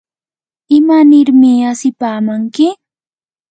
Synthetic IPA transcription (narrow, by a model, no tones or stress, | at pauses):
ɪmanɪɾmɪasɪpaːmaŋkɪ